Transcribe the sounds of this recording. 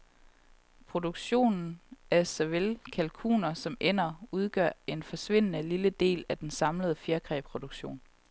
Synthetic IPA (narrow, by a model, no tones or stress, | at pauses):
pʰʁo̝d̥uɡ̥ɕo̝̰ːnn̩æɐsæʋelkʰælkʰṵːnɐsɒ̽mʔen̰ɐuð̞ˠɡ̥ɶ̰ɐ̰e̝nfɒ̽sʋe̝n̰ənəliləd̥e̝̰ːlæd̥ensɑ̈mləð̞ˠfjeɐɡ̥ʁɛ̰ːpʰʁo̝d̥uɡ̥ɕo̝̰ːn